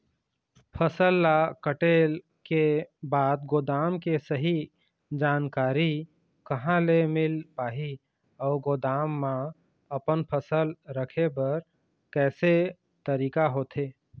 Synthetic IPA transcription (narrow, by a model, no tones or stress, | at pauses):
pʰəsəlːakəʈeːl | kebaːd̪ɡoːd̪aːmkesəɦi | d͡ʒaːnkaːɾi | kəɦãlemɪlpaːɦi | ɔːɾɡoːd̪aːmːã | əpənpʰəsəlɾəkʰebɐɾ | kɛːse | t̪əɾiːkaɦoːt̪ʰeː